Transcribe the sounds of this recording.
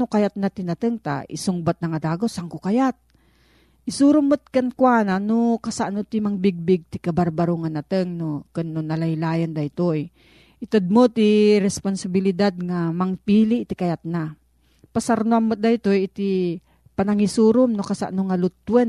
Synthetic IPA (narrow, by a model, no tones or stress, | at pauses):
okajat̪̚nat̪ɪnɐt̪ɨŋt̪a̰ɪ̰soŋbat̪̚nɐŋad̪aːɡosaŋkʊkajat̪̚ | ʔɪsuːɾʊmːot̪̚kankwaːnanokasaʔnot̪imaŋbɪɡ̚bɪɡ̚t̪ɪkabaɾbaɾoŋanat̪əŋnokɨnːonɐlɐjlaːjand̪ait̪oj | ʔɪt̪od̪̚mot̪iɾɛsponsabɪlɪd̪ad̪̚ŋamɐŋpiːliʔt̪ikajat̪̚na | pasaɾnoamːot̪̚d̪ajt̪ojɪt̪i | pɐnɐŋisuːɾomnokasa̰ʔnoŋalʊt̪ːwɛn